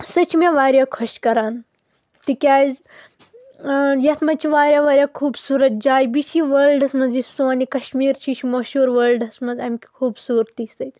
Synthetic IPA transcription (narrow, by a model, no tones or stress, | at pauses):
sɐt͡ʃʰimeʋaːɾjaːkʰoʃkɐɾaːn | t̪ikʲaːz | jɐt̪ʰmɐt͡ʃʰiʋaːɾʲjaːʋaːɾʲjaːkʰuːbsuːɾɐt̪̚d͡ʒaːjbit͡ʃʰiʋəːlɖɐsmɐnzisoːnikɐʃmiːɾt͡ʃʰit͡ʃʰimoʃuːɾʋəːlɖɐsmɐzɐmʲki̥kʰuːbsuːɾt̪isɐt̪ʰʲ